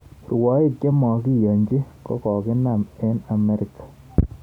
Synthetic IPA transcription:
rwɔ˨˦i˦˨kke˦mɔ˨ki˦jo˨ɲd͡ʒi˦kɔ̰˦kɔ˨kɪ˦na˨me˦na˨me˦ɾi˨kːḁ˨

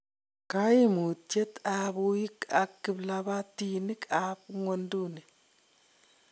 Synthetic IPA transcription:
ka˦ji˦mu˨te˦t̪a˨buji˦ka˨kːɪ˨bla˦ba˦tini˦ka˨pŋo˦ndu˦ni˨

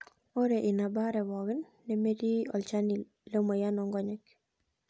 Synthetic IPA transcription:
o˦ɾeʔi˨na˨baɾɛwɔɣɪnːɛme˦di˦ɔ̰˨lt͡ʃani | lo˦mo˨ja˦nɔŋɡɔ˦ɲɛk

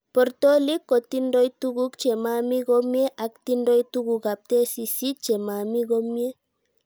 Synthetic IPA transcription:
pɔ˨ɾt̪o˦li˦kːo˨t̪i˦ndo˦jtu˦ɡu˦kt͡ʃe˨ma˦mi˦ɡo˦mje˦ʔa˨kt̪i˦ndo˦jt̪u˦ɡu˨ka˨p̚t̪e˦si˧si˦t͡ʃe˨ma˨mi˦ɡo˦mje˦

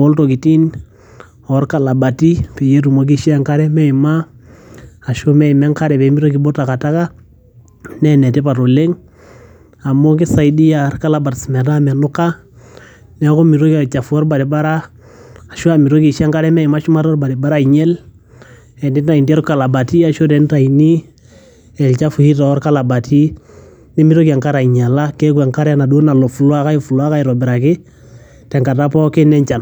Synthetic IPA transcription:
ɔ˦lto˨ki˨ti˦n | ɔ˨˦ɾka˨la˨ba˨ti˦pi˨je˦tu˨mo˦k̬i˦ʃa˦ŋka˦ɾɛ˦mɛ˦i˨ma˦ | a˨ʃo˦mɛ˦i˨mɛ˦ŋka˦ɾɛ˨bɛ˨˦mi˦ɾo˦k̬i˨bo˦ta˨ka˨ta˦ka˦ | nɛ˦nɛ˨tɛ˦pa˨ɾo˨le˦ŋ | a˨mo˦k̬i˦sa˨i˦di˦ja˨ɾka˦la˨ba˨tsmɛ˨na˦mɛ˨nʊ˦ka˦ | nɛ˦kɔ˦mi˨ɾo˦ka˨t͡ʃa˨fu˦ɔ˦ɾba˨ɾi˨ba˦ɾa˦ | a˨ʃu˦a˦˨mi˨ɾo˦ki˨ʃa˦ŋka˦ɾɛ˦mɛ˦i˨ma˦ʃu˦ma˦ɾɔ˦ɾba˨di˨ba˦ɾa˦i˨ɲɛ˦l | ɛ˨ndi˦a˨i˨ndɛ˦ɾka˨la˨ba˨ti˦a˨ʃo˦dɛ˨˦n˦ta˨i˨ni˦ | ɛ˨lt͡ʃa˦fu˨hi˦ta˨ɔ˦ɾka˦la˨ba˨tʰi˦ | ni˦mi˦ɾo˦ki˨a˨ŋka˦ɾa˨i˨ɲa˨la˦kɛ˦kwɛ˨ŋka˦ɾa˦na˨du˦na˨lɔ˨fu˨lwa˦ka˦i˦fu˨lu˦a˦ka˦jɾɔ˨bɛ˨ɾa˨kɪ˦ | tɛ˨ŋka˨ta˦pɔ˦ke˦nɛ˦ɲt͡ʃa˨n

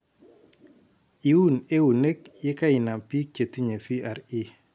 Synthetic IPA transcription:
i˨wu˦˨ne˦u˨ne˦k̚je˦ka˦ɪ˨na˨mpi˦t͡ʃe˨t̪i˦ɲe˨fi˦a˨ɾi˦

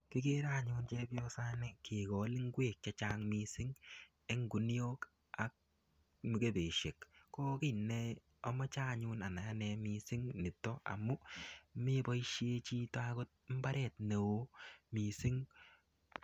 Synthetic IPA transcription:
kɪ˦ke˦ɾa˦˨ɲʊː˦nt͡ʃɛ˦bjɔ˦sa˦nɪ˦˨kʰe˨kɔ˨li˦ŋ˦ɡweː˦˨k̚t͡ʃa˨t͡ʃaː˦ŋmi˦sɪ˦ŋ | e˦ŋɡu˨njoː˦k | a˨k̚ | mi˨ke˦be˨ʃe˨kːɔː˦ki˦˨nɛ˦ | ɔ˦mɔ˦t͡ʃa˦˨ɲʊ˦na˨na˨ja˦nɛ˧mi˧sɪ˦ŋnɪ˨tɔ˦a̰˨mʊ˦me˦bɔ˦i˦ʃje˦t͡ʃi˦ta˦ko˦t̚m̩˦ba˦ɾɛ˦˨tne˨wo˦mi˨sɪ˦ŋ

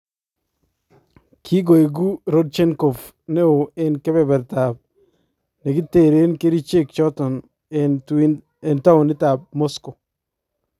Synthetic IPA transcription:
kʰi˦ɡo˨e˨ɡu˦ɾo˦d̚t͡ʃɛ˦nko˨f | ne˦o˨e˦nkɛ˦bɛ˨bɛ˨ɾta˨b̚ | nɛ˨ɡi˦te˦˨ɾe˦nke˦ɾi˦t͡ʃe˦˨kt͡ʃɔ˦tɔ˨n | e˨nta˦ʊ˨nɪ˦ta˨b̚mo˦sko˨

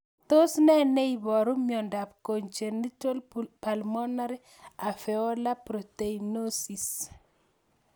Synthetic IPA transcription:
t̪o˦snɛ˦ne˦i˨bɔ˨ɾu˦mjɔ˨nda˨p̚ko˨ɲt͡ʃe˨nːi˦to˦lpa˨lmɔ˦na˦ɾe˦ | a˨fɛ˨ɔ˦la˦pɾo˨t̪e˨ino˦si˨s

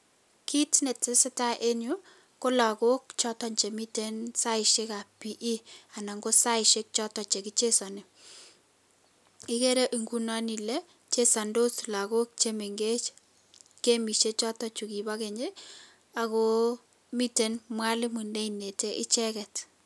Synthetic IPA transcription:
ki˦tne˨te˦sɪ˦ta˦ʔe˦ɲu˦ | ko˦la˨ko˦kt͡ʃɔ˦tɔ˦ɲt͡ʃe˨mi˦te˦nsa˦ɪ˨ʃe˦ka˨pi˨ʔi˦a˨na˨ŋɡo˦sa˦ɪʃe˦k̚t͡ʃɔ˦tɔ˨t͡ʃe˨ki˦t͡ʃe˦sɔ˨nɪ˨ | ɪ˦ke˦ɾe˦ʔi˨ŋɡu˦nɔ˦ni˨le˦ | t͡ʃe˦sa˨ndo˦sla˨ko˦k̚t͡ʃe˦me˨ŋɡe˦t͡ʃ | ke˦mi˨ʃe˦t͡ʃɔ˦tɔ˦t͡ʃu˨ki˨ba˦ke˨ɲe˦ | a˨ko˦ | mi˦te˨nmwa˦lɪ˦mu˨nde˦ine˨te˦ʔɪ˦t͡ʃɛ˦kɛ˨t

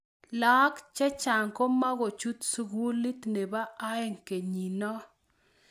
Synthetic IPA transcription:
la˦kt͡ʃɛ˦t͡ʃa˨ŋko˦ma˦ɣo˨t͡ʃu˦t̪su˦ɡu˦li˦t̪ne˨baː˦e˦˨ŋke˨ɲi˨nɔ˦

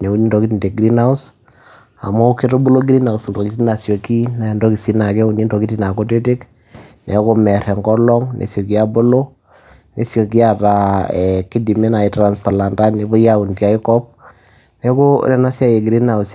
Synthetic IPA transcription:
nɛ˨u˦ni˦ndɔ˨ki˦ti˨nde˨ɡɾi˦na˦u˦s | a̰˨mɔ˦u˦ke˦to˦bo˦lo˦ɡɾi˦na˨u˨sndɔ˨ki˦ti˦na˨sjo˨ki˦na˨ndɔ˦ki˨si˦na˨kɛ˦u˨ni˦ndɔ˨ki˦ti˨na˨ko˦te˦te˦k | nɛ˨ko˦mɛ˨ɾɛ˨ŋɡɔ˦lɔ˦ŋnʔḛ˨sjɔ˨ki˦a˦bo˦lo˦ | ne˨sjo˨ki˦a˨ta˨ɛ˨ki˦di˨me˦na˨i˨tɾa˨nspa˨la˨nda˦ne˨bɔ˦ja˦u˨ndja˦i˦kɔ˦p̚ | nɛ˦ko˦ɾɛ˨na˦sa˦je˨ɡɾi˦na˨u˨s

